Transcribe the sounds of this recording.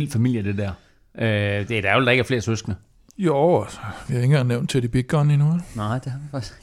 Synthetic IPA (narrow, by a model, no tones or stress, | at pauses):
lfæmil̰jəd̥ed̥ɛɐ̰ | ʔød̥e̝d̥æld̥ɑ̈eɡ̥æɐfle̝ːɐsøsɡ̥nə | josʋiɑe̝ɡŋɡ̥ɑŋnːeʊnd̥̚t͡sʰed̥ib̥iɡ̥̚ɡ̥ɒːninuelnɑɪ̰d̥ehɑʋifaɪs